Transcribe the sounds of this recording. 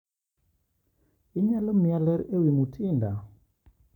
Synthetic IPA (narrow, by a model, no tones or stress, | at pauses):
ɪɲalɔmjalɛɾewimutʰɪnda